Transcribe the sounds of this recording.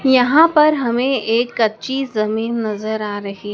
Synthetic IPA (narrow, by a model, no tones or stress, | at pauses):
jɐɦãpɐɾɦɐmẽeːkːɐtːʃizɐmiːnːɐzəɾaːɾɐɦi